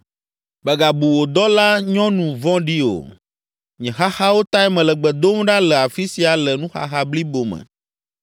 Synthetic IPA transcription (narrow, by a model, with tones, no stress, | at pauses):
bə˨ɡa˨bu˨wo˨d̪ɔ˦la˦ɲɔ̃˦nũ˨vɔ̃˦ɖi˦o̰˨ | ɲɛ̃˨ɦa˦xa˦wo˦t̪a˦ɛ˦mɛ̃˨lə˨ɡ͡bɛ˨d̪o˦m˦ɖa˦lə˨a˨fi˦si˨a˨lə˨nũ˦xa̰˦xa˦bli˦bo˨mɛ̰̃˨